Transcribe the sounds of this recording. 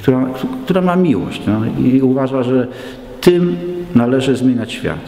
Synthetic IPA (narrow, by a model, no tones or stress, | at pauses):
kt̪uɾakkt̪uɾamamʲiwɔ̰ɕt͡ɕnɔḭuvaʐaʐɛ | t̪ɘmnalɛʐɘzmʲjeɲat͡ɕɕfʲja̰t̪